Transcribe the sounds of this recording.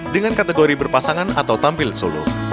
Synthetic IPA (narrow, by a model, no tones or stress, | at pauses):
dəŋankat̪eɡoɾibərpasaŋanat̪awt̪ampɪlsolṵr